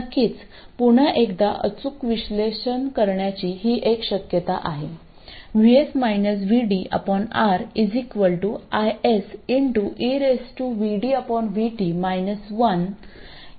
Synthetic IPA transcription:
kːiːt͡s | puɳ̤aʔekd̪aʔə̰t͡sukʋiɕleɕənkəɾɳjat͡ɕiɦiːʔekɕəkjət̪a̰ʔaɦe | ʋiesmajnəs̬ʋiɖiʔə̰pɔnaɾid͡zikʋəlʈuajesiɳʈuʔiɾesʈuʋiɽiəpɔnʋiʈimajnəsʋən

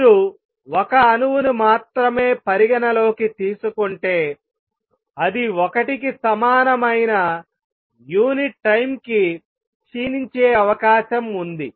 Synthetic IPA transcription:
ɾu | ɔkɐːnuwunumaːt̪ɾɐme̞ːpɐɾiɡɐnɐlo̞ːkit̪iːsukuɳʈe̞ː | ɐd̪iɔkɐʈikisɐmaːnɐmɐjnɐ | juːniʈːɐjmki | t͡ʃiːniɲt͡ʃeːɐʋɐkaːʃɐmund̪i

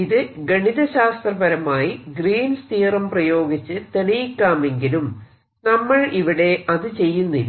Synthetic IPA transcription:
iðɨɡɐɳiðɐɕaːst̪rɐbɐɾɐmaːjiɡriːnst̪iːrɐmprɐjo̞ːɡit͡ɕːɨt̪e̞ɭijikʲːaːme̞ŋɡilum | nɐmːɐɭiʋiɽe̞ɐðɨt͡ɕe̞jːunːilː

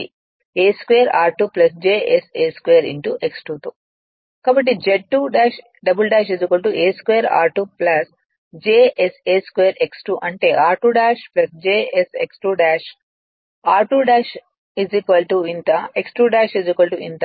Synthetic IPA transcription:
eːskʋeːɐɾaːɾʈuːplɐs̬d͡ʒeːʔeseːskʋeːɾḭɳʈuʔeksʈuːt̪u | kaːbɐʈ̬ːid͡ʒeʈːuːɖaːʃ | ɖɐbulɖaːʃizikʋɐlʈuʔeːskʋeːɐɾa̰ːɾʈuplɐs | d͡ʒeːʔeseːskʋeːɐɾeksʈuːʔɐɳʈe̞ːʔaːɾʈuːɖaːʃplɐsd͡ʒeːesḛksʈuːɖaːʃ | aːɾʈuːɖaːʃ | izikʋɐlʈuint̪ɐeksʈuːɖaːʃizikɐlʈuʔḭnt̪ɐ

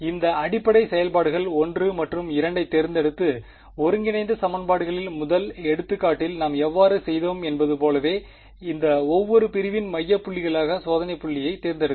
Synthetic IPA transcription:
ɪnd̪ɐɐɽɪpːɐɽɐɪsɛjɐlpaːɽɯɣɐɭɔndrɯmɐʈrɯmɪɾɐɳɖɐɪt̪ːɛɾɯnd̪ɛɽɯt̪ːɯ | ɔɾɯŋɡɪnɐɪnd̪ɐsɐmɐnbaːɽɯɣɐɭɪlmʊðɐlɛɽɯt̪ːɯkːaːʈːɪlnaːmɛʋːaːɾɯsɛjðoːmɛnbɐðɯpoːlɐʋeː | ɪnd̪ɐɔʋːɔɾɯpɪɾɪʋɪnmɐjːɐpːʊɭːɪɣɐɭaːɣɐsoːðɐnɐɪpːʊɭːɪjɐɪt̪ːɛɾɯnd̪ɛɽɯ

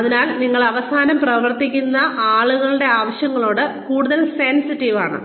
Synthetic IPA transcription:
ɐðinaːlniŋːɐɭɐʋɐsaːnɐmprɐʋɐrt̪ikʲːunːɐʔaːɭuɣɐɭɨɽe̞aːʋɐɕjɐŋːɐɭo̞ːɽɨkuːɽuðɐlsensitːiʋaːɳɨ̰

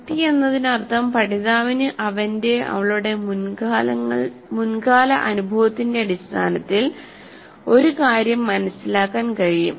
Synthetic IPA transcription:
t̪ːije̞nːɐðinɐrt̪ʰːɐmpɐʈiðaːʋinɨʔɐʋɐnde̞ɐ̰ʋɐɭuɽe̞mlɐɐɭmunkaːlɐ̰ʔɐnubʱɐʋɐt̪ːinde̞ɐɽist̪ʰa̰ːnɐt̪ːil | o̞ɾukaːɾjɐmːɐnɐsilaːkːaːnkɐɻijṵm

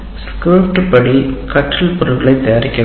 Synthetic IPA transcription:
skɾuːʈpɐɽikɐʈrɐlpɔɾɯlɡɐɭɐɪt̪ːɐjaːɾɪkʲːɐ

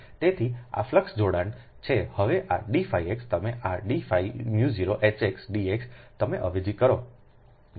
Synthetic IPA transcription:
t̪et̪ʰia̰fləksd͡ʒoɽaɳ | t͡ʃʰehəʋeʔaɖifaiekst̪əmeʔaɖifaimjuziɾoʔet͡ʃeksɖiekst̪əmeʔəʋid͡ʒikəɾo

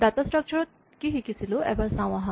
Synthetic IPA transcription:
d̪at̪asʈɾɐk̚t͡ʃʰɐɾot̪̚ | kiɦikisiluɛ̰bɐsãwɐ̃ɦɐ̃

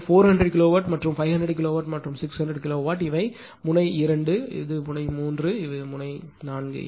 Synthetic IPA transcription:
foːɾhɐndɾɛɽkɪloːʋaːʈmɐʈrɯmfɐɪʋɦɐndɖɾɛɽkɪloːʋaːʈmɐʈrɯmsɪkshɐndɾɛɽkɪloːʋaːʈɪʋɐɪ | mʊnɐɪɪɾɐɳɖɯɪ̰ðɯmʊnɐɪmuːndrɯɪʋɐɯmʊnɐɪnaːnɡɯ̰

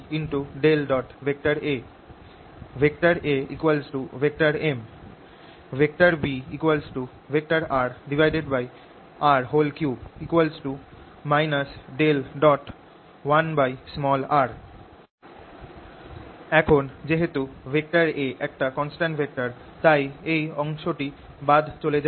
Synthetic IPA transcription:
inʈuɖelɖɔʈbʱek̚ʈaɾe | bʱek̚ʈaɾeḭkwalsʈubʱek̚ʈaɾem | bʱek̚ʈaɾbiikwalsʈu | bʱek̚ʈaɾaɾɖibʱajɖeɖbaj | aɾɦolkjuikwalsʈu | majnasɖelɖɔʈ | wanbajsmɔlaɾ | ɛkʰond͡ʑeɦet̪ubʱek̚ʈaɾeʔɛk̚ʈakɔnsʈãɳʈbʱek̚ʈaɾ | t̪ajejɔŋʃoʈi | bad̪ʱt͡ɕoled͡ʑa

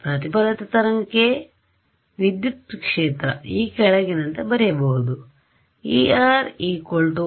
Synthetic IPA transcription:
pɾɐt̪ipɐlɐt̪ɐt̪ɐɾɐŋɐkːe | ʋid̪jut̪kʂeːt̪ɾɐ̰iːkɐɽɐɡinɐnt̪ɐbɐɾɛbɐːud̪u | iaːɾiːkoɭʈu

